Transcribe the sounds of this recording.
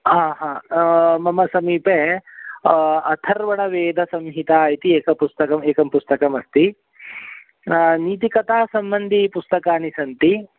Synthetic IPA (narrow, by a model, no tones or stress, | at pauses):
ɦaːɦãːmɐmɐsɐmiːpeː | ɐt̪ʰɐɾʋɐɳɐʋeːd̪ʱɐsɐmɦit̪aːit̪ieːkɐpust̪ɐkɐmeːkɐmpust̪ɐkɐmɐst̪i | niːt̪̬ikɐt̪aːsɐmbɐnd̪ʱipust̪ɐkaːnisɐnt̪i